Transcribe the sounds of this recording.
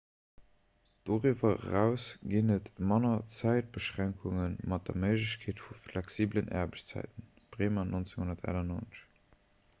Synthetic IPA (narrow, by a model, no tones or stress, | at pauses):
d̥oʁyːvɐʁæʊsɡinətmɑnɐt͡sæɪt̚b̥əʃʁæŋkʰuŋənmɑt̚d̥ɐ̰məɪʒləɕkʰeːtfuflæksiːblənʔɛ̰ɐbəɕt͡st͡sæ̰ɪtən | b̥ʁeːmanʔont͡seŋhunɐtæ̰lɐnoːnə̥